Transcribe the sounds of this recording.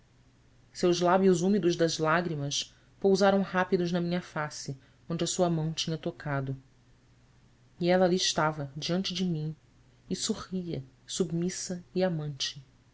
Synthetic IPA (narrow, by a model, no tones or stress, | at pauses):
sewzlabjʊzumid̪ʊzd̪ɐzlaɡɾimɐʃ | powzaɾɐ̃w̃hapid̪ʊʒnɐmĩɲɐfasɪ | õnd͡ʒɪɐsuɐmɐ̃w̃t͡ʃĩɲɐt̪okʰad̪ʊ | iɛlaliɪʃt̪avɐd͡ʒiɐ̃nt͡ʃɪd͡ʒɪmĩ | ɪsohiɐ | submisɐiamɐ̃nt͡ʃɪ̥